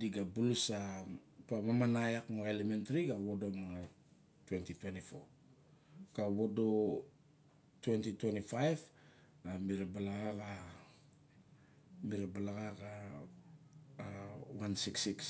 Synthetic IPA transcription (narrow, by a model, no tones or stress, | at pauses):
diɡabulusapamamanajakmoelementaɾiɡawo̞domaŋa | twe̞ntitwe̞ntifo̞ | kawodo̞ | twe̞ntitwe̞ntifajv | amiɾebalaɡaɡa | miɾabalaɡaɡa | wansiksiks